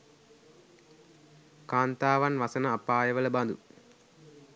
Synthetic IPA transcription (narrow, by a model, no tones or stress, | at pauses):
kaːnt̪aːʋɐnʋɐsɐnɐːpːaːjɐʋɐlɐbɐnd̪ṵ